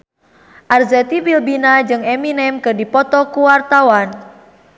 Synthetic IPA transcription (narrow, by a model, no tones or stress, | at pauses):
ʔarzɛt̪ibilbinad͡ʒɨŋɛminɛmkɨdipɔt̪ɔkuwart̪awan